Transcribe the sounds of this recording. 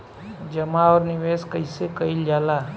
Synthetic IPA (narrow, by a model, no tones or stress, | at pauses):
d͡ʒəmaɔɾniʋeskəjsekəiljala